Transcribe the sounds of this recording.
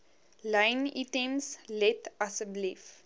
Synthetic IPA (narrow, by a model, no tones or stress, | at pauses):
ləjnitemslɛtɐsəblif